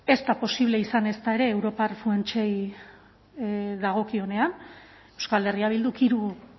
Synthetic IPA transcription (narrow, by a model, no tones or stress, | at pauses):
e̞st̪apo̞siβ̞le̞isane̞st̪ae̞ɾe̞ːwɾo̞parfue̞nt͡ʃej | ðaɣ̞o̞kio̞ne̞an | e̞wskale̞riaβild̪ukiɾu